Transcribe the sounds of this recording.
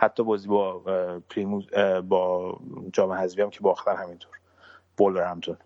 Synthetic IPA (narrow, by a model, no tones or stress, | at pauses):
hæt̪ʰːɒːbɒːziːbɒpʰlimuzbɒːd͡ʒɒːmehæzviæmcʰebɒːxt̪ʰæɾhæmint̪ʰoɾ | b̥oloɾæmt̪ʰon